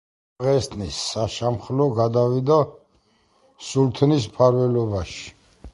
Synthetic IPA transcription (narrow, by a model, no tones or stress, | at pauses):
ʁɛst̪ʰʼnisːaʃamχlɔɡad̪avid̪a | sult̪ʰnispʰaɾvɛlɔbaʃi̥